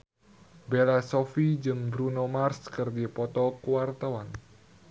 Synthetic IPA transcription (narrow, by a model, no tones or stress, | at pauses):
belasɔfid͡ʒɨŋbɾunomarskɨrdipɔt̪ɔkuwart̪awan